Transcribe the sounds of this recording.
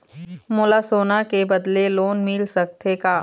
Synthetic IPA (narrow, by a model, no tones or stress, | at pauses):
mʊlasoːnakebɐd̪leloːnmɪlsɐk̚t̪ekaː